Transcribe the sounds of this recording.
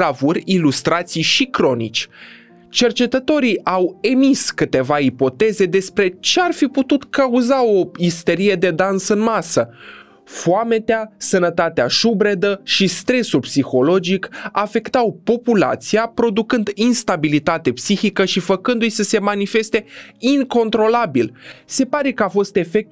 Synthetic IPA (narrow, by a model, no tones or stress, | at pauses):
avurʲilust̪ɾat̪sijʃikɾo̞nḭt͡ʃʲ | t͡ʃe̞rt͡ʃe̞t̪ət̪o̞ɾiʔawe̞miskɨt̪e̞vaipo̞t̪e̞ze̞d̪e̞spɾe̞t͡ʃe̞arfiput̪ut̪kauzao̞ist̪e̞ɾije̞d̪e̞d̪ansɨnmasə | foame̞t̪easənət̪at̪eaʃubɾe̞d̪əʃist̪ɾe̞sulpsixo̞lo̞d͡ʒikafe̞kt̪awpo̞pula̰t̪siapɾo̞d̪ukɨnd̪inst̪abilit̪at̪e̞psixikəʃifəkɨnd̪ujsəse̞manife̞st̪e̞iŋko̞nt̪ɾo̞labilse̞paɾe̞kəafo̞st̪e̞fe̞k̚t̪